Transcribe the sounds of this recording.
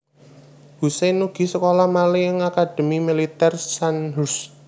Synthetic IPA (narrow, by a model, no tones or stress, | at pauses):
busenuɡ̥i̤səkolɔmaliəŋakad̪̥ə̤mimilit̪ɛrsanɦus